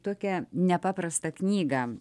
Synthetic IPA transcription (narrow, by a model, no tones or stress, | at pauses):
t̪oɔkʲɛnʲɛpɑːpɾɐst̪ɐknʲiːɡɐ